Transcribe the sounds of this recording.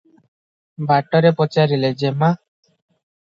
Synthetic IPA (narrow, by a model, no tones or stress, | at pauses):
baʈɔɾepɔt͡ʃaɾiled͡ʒema